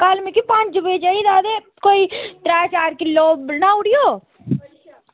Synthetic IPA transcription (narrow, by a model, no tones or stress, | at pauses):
kaːlmẽkipãːt͡ʃd͡ʒʊbed͡ʒaid̪aːd̪e | koːit̪ɾaːt͡ʃaːɾkɪlːobnaʊɽijoː